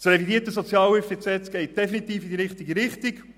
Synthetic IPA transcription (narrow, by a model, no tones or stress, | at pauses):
srɛvidiːətəsɔt͡sjɑːlɛftet͡sɛtɡ̥ɛɪt̚d̥ɛfinit̪iːfidiɾɪχtiɡiɾɪχtik